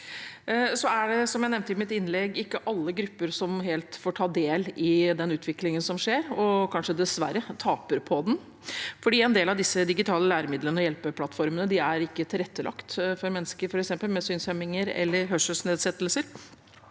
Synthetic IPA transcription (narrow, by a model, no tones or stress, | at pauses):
sɔæɖɛsɔmjæɪnɛʋnt̪əɪmɪt̪ɪnlɛɡɪkːəʔɑlːəɡɾʉpːəɾsɔmɦeːlt̪foːʈʰɑːd̪eːlɪd̪ɛnʉːt̪ʰʋɪklɪŋənsɔmʂeːɾɔkʰɑnʂəd̪ɛsʋæɾːət̪ʰɑːpəɾpʰɔd̪ɛn | fɔɖiːɛnd̪eːlɑʋd̪ɪsːəd̪ɪɡɪt̪ʰɑːləlæːɾəmɪd̪lənəɔjɛlpəpʰlɑt̪ːfɔɾmənəd̪ɪæɾɪkːət̪ʰɪlɾɛt̪ːəlɑ̰kt̪fɔɾmɛnːskəɾfɔɾɛksɛmpəlmɛsyːnsœmɪŋəɾɛ̰lːəɾɦœʂəsneːd̪sɛt̪ːəlsəɾ